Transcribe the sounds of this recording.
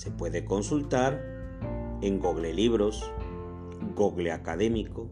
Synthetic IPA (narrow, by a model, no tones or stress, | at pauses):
se̞pwe̞ðeko̞nsult̪aɾ | eŋɡoɣleliβɾos | ɡoɣleakaðe̞miko